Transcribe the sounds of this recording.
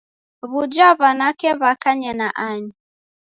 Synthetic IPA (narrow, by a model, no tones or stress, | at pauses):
βud͡ʒaβanakɛβakaɲɛnaʔaɲi